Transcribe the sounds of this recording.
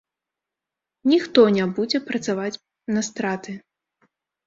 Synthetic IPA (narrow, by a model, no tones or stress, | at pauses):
nʲixt̪ɔnʲɛbud͡zʲɛpɾɐt̪savat͡sʲ | nɐst̪ɾat̪ɨ